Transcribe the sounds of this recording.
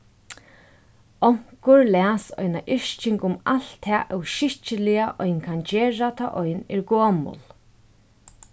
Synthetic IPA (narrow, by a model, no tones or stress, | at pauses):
ɔŋ̥kʊɹlæːsɔ̰jnaʔɪʂt͡ʃɪŋkʊmal̥t̪ʰːɛːʔɛwʃɪht͡ʃəlɪjaʔɔjnkʰand͡ʒeːɹat̪ʰa̰ːʔɔjnɪɹɡoːmʊ̰l